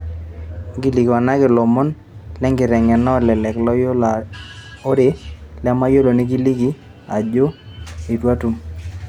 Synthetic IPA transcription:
ɡi˦li˨ɡwa˨na˦ɡɪ˨lo˨mo˦n | lɛ˦ŋɡɪ˨ɾɛ˨ŋɛ˨nɔ˦˨lɛ˨lɛ˨klɔ˦jo˦la˨ | o˦de˨lɛ˦ma˦jo˦lo˨ne˦ɡi˦li˦ɡi˦ | a˨d͡ʒo˦i˨twa˦tu˨˦m

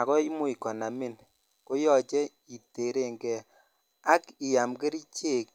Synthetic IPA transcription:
a˨kɔ˦i˦mʊ˦i˨kɔ˨na˨mi˦˨n | ko˦jɔ˦˨t͡ʃɛ˦ | i˨te˨ɾe˨ŋɡɛ˨ | a˦ki˨ja˨mɡe˦ɾi˦t͡ʃe˦˨k̚

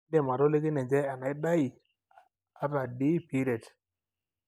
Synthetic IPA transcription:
de˦˨ma˨ɾo˦le˦ki˦ne˨nd͡ʒe˦a˨na˨i˦ɗa˦i˨ | a˦ɾa˨di˦pi˦ɾe˨t

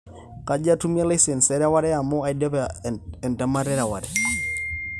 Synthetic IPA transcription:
ka˦d͡ʒa˦tu˦mja˦la˦sɛ˨nsɛ˦ɾa˦wa˦ɾɛ˦a˨mɔ˦a˨jdɛ˦pɛ˨nta˨ma˦ɾɛ˦ɾa˨wa˨ɾɛ˨

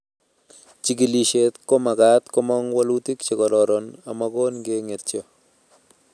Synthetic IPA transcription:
t͡ʃi˨ɡi˨li˨ʃe˨t̪ko˦ma˨ka˦t̪kɔmɔ˦ŋwalu˦ti˦kt͡ʃe˨kɔ˨ɾɔ˨ɾɔ˨na˨mako˦nɡe˦ŋe˨t̚t͡ʃjɔ˨

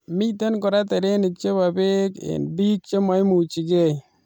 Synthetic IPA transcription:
mi˦t̪e˦nkɔ˨ɾa˦t̪e˨ɾe˦ni˨k̚t͡ʃe˦ba˨be˦kḛ˨nbi˦k̚t͡ʃe˦ma˨˦jmu˨t͡ʃi˨ɡe˦˨j

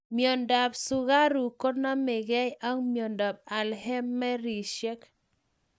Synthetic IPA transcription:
mjo˨nda˨bsʊ˨ɣa˦ɾu˨ko˦na˦mɪ˨ɡɛ˦ja˦ŋmjo˨nda˨b̚a˨lhɛ˦mːɛ˦ɾi˨ʃɛ˦k

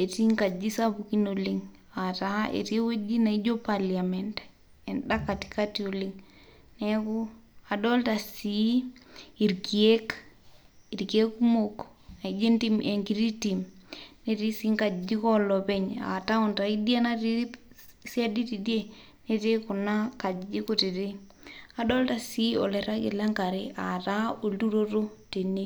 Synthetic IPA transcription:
e˨ti˦ŋka˨d͡ʒi˦sa˦bu˨ki˦no˨liŋ | a˨ta˨ʔḛ˨twe˦d͡ʒi˦na˨i˦d͡ʒo˦palia˨mente̥ | e˨nɗa˦ka˨ti̥ka˦tio˨li˦ŋ | ne˦ku˦a˨dɔ˦lta˨si | i˨ɾki˨e˦k | i˨ɾki˨e˦ku˦moka˨i˨d͡ʒe˦nti˦mʔe˨ŋki˨ɾi˦ti˨mne˦ti˦si˦ŋka˨d͡ʒi˦kɔ˦lɔ˨pɛ˦ɲa̰˨ta˦ʊ˨nta˨i˦di˦a˦na˦ti˦si˦a˦di˦ti˨dje˦ | ne˦te˦kʊ˨na˦ka˨d͡ʒd͡ʒi˦ko˦ti˨ɾɪ˦ | a˨dɔ˦lta˨si˦ɔ̰˨lɛ˨ɾa˦kɪ̰˨la˦ŋka˨ɾɪ˦ʔa˨ta˦o˨ldu˦ɾo˦ɾo˦te˨ne˦

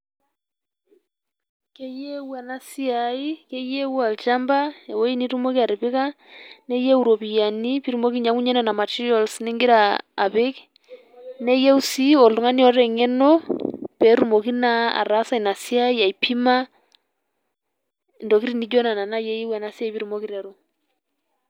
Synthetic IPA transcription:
kɛ˦jɛ˦wa˨na˦si˦a˨i˦kɛ˦jɛ˦wa˨lt͡ʃa˦mba˦ɛ˨wɔ˦i˦ni˦ɾu˦mo˦ki˦a˨ɾɪ˨pɪ˦ka˦ | nɛ˦jɛ˦u˨ɾɔ˨pi˨ja˨ni˦pi˦ɾu˨mo˦ki˦ɲa˨˦ŋu˦ɲɛ˦na˨na˨ma˨t͡ʃi˦ɔ˨lsnɛ˦ŋɡɪ˦ɾa̰ː˨βɪ˦k | nɛ˦jɛ˦u˦si˦ɔ˨lu˨ŋa˦ni˦ɔ˦ɾɛ˨ŋɛ˦nɔ˦pɛ˨˦ɾu˦˨mo˨ki˦na˦a̰˨ɾa˦sa˦i˨na˨si˦a˦i˦a˨i˨pʰi˦ma˦ | ndɔ˨ki˦ɾi˦ni˦d͡ʒɔ˦na˨na˨na˦jɛ˦ji˦wɛ˨na˨˦si˦a˨i˦pi˦ɾu˨mo˦ki˦ɾa˨ɾo˦

